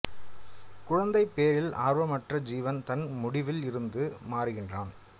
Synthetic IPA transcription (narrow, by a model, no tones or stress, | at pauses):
kʊɻɐnd̪ɐɪpːeːɾɪla̰ːɾʋɐmɐʈrɐd͡ʒiːʋɐnt̪ɐnmʊɽɪʋɪlɪɾɯnd̪ɯmaːɾɯɣɪndraːn